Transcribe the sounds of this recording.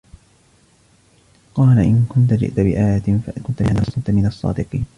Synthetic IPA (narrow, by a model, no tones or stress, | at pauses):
qɑːlaʔɪnkʊnt̪ad͡ʒɪ̰ʔt̪abɪʔaːjat̪faʔkʊnt̪aɪnɑsˤt̪mɪnɑsˤːɑ̰ːd̪ɪqiːn